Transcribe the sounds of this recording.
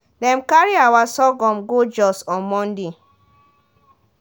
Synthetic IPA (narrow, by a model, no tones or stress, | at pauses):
dɛ̃mkaɹiawasɔɡɔ̃mɡod͡ʒɔsɔ̃nmɔ̃ndi